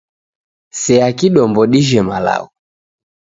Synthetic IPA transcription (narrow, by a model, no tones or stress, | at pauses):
sɛakiɗɔmbɔɗiʒɛmala̰u